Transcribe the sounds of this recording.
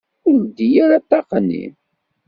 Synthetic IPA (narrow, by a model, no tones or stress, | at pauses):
ʊɾd̪ijæɾat̪ːɑqnːḭm